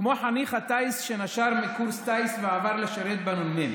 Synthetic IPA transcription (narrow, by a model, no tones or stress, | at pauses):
kmoħaniχat̪aisʃenaʃaʁmikuɾst̪ajsveavaʁleʃaɾet̪̚banolmen